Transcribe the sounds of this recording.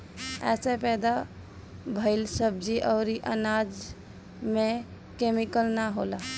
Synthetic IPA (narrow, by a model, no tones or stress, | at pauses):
ɛ̰sepɛd̪a | bʱəɪlsəb̚d͡ʒiʔəʊɾiʔənad͡ʒ | me | kemikəlnaɦola